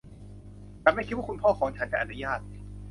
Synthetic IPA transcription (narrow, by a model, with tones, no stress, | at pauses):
t̪aː˨˩ma˥˩jkʰi˦˥wa˥˩ku˧npʰɔː˥˩kʰɔː˩˦ŋt͡ɕʰa˦˥nt͡ɕa˨˩ʔa˨˩u˦˧jaː˥˩t̪̚